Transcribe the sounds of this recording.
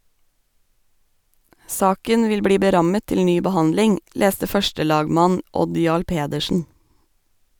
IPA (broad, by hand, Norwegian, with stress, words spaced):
ˈsɑːkən ˈʋɪl ˈbɽiː bəˈɾɑmə ˈtɪl ˈnyː bəˈhɑndlɪŋ ˈleːstə ˈfœʃʈəˌlɑːɡmɑn ˈʔɔd ˈjɑːɭ ˈpeːdəʃn̩